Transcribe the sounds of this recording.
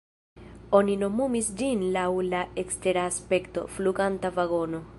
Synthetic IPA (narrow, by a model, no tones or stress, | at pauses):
o̞nino̞mumisd͡ʒinlawlaekst̪e̞ɾaːspe̞kto̞̰fluɡantavaɡo̞no̞